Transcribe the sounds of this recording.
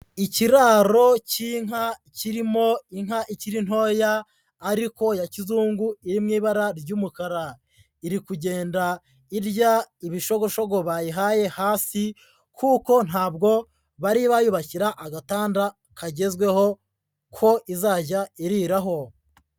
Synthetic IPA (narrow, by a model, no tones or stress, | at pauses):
iciɾaːɾo̞ciŋ̥aciɾimo̞iŋaʔiciɾin̥ho̞ːjaː | ɾiko̞jacizuːŋɡuiɾimŋiːβaɾaɾɟuːmukaɾa | iɾikuɟe̞ːnda | iɾɟaiβiʃo̞ɡo̞ʃo̞ɡo̞βajiɦaːje̞haːsi | kʰuːko̞n̥haːbɡo̞ | βaɾiβajuβaciɾaʔaɡataːnda | kʰaɟe̞zɡwe̞ho | kʰo̞ʔizaːɟaiɾiːɾaɦo̞